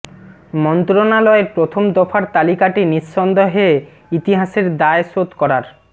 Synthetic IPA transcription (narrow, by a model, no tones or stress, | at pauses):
mɔnt̪ɾonalɔeɾpɾot̪ʰomd̪ɔfʰaɾt̪alikaʈinisːɔnd̪oɦee | it̪iɦaʃeɾd̪aesot̪kɔɾaɾ